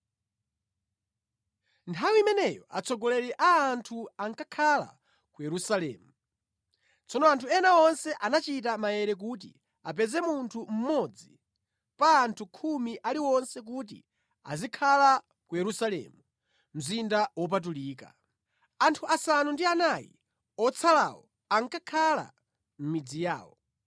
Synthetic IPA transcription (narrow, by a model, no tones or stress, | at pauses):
ntʰawiimɛnɛjɔa̰t͡sʰɔɡɔlɛɾɛʔaːntʰuaŋkakʰala̰ | kujɛɾusalɛ̰ːmu | t͡sʰɔnɔantʰuɛnaɔnsɛʔanat͡ʃit̬amajɛɾɛk̬uːt̬ḭ | ap̬ɛzɛmuntʰum̩mɔd͡zi | paːntʰukʰumiʔaliwɔnsɛk̬ut̬ḭ | a̰zikʰala | kujɛɾusalɛ̰mu | m̩zindawɔp̬at̬uliːka̰ | antʰuʔasanundianajḭ | ɔt͡sʰala̰wɔ̰ | aŋkakʰala̰ | m̩mid͡zija̰ːwɔ